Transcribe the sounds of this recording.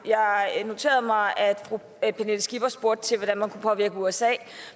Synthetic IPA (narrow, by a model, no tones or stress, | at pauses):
jɑ̈ɪno̝t͡sʰe̝̰ːɐð̩ˠmɑ̈ɪæd̥fʁu | pʰenel̩sɡ̥ib̥ɐsb̥o̝ɐd̥̚t͡sʰe̝lʋɒd̥ænmænkʰupʰɒ̽ʋiɐɡ̥əuesɛ̰ː